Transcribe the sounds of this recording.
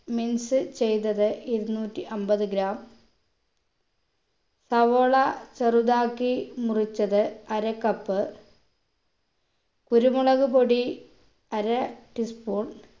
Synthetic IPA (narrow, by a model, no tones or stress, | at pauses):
minsɨt͡ɕe̞jt̪ːɐðɨiɾunuːtːiʔɐmbɐðɨɡɾaːm | sɐʋoɭɐt͡ɕɐrud̪aːkːimurit͡ɕːɐðɨɐɾɐkːɐpːɨ | kuɾumuɭɐɣɨpoɽi | ɐɾɐʈispuːɳ